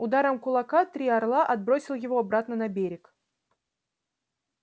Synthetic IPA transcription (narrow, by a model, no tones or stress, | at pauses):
ʊd̪aɾəmkʊlˠɐkat̪ɾʲiɐrlˠaʔɐd̪̚bɾosʲɪlˠjɪvo̞ɐbɾat̪nənɐbʲeɾʲɪk